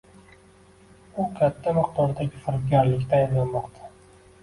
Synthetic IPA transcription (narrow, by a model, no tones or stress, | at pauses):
ʊkʲʰat̪ʰːamɨq̚t̪ʰɒɾd̪aɡʲɪfɪɾt̪ɡʲaɾlɪkʲt̪ʰajɪnlanmɒqt̪ʰḁ